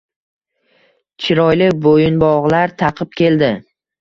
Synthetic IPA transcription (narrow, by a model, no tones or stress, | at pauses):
t͡ʃʰɪɾɒjlɪkʲbojɪnbɒʁlaɾt̪ʰɑqʰɨp̚kʲʰe̞ld̪ɪ